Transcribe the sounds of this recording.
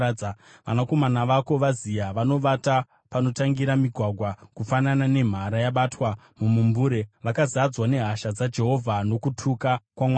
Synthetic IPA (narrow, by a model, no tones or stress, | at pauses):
a | ʋanako̞manaʋako̞ʋazijaʋano̞ʋata | pano̞taŋɡiɾamiɡʱwaɡʱwakufananane̞m̤aɾajaɓatwa | mumumbuːɾe̞ʋakazad͡zwane̞ɦaʃad͡zad͡ʒe̞ɦo̞vʱano̞kutʰukakwamwa